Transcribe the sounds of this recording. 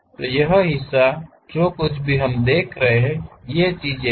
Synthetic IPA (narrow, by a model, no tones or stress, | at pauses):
t̪ojəɦəɦɪsːa | d͡ʒokʊt͡ʃʰbʱiɦəmd̪eːkʰɾəɦeɦɛ̃jet͡ʃiːd͡ʒe